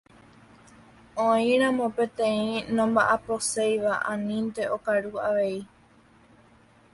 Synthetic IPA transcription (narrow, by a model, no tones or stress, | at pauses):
õĩɾ̃ãmõ̞pẽ̞t̪ẽĩnõ̞mbaʔaposejʋaʔãnĩnt̪e̞ʔokaɾuaʋe̞i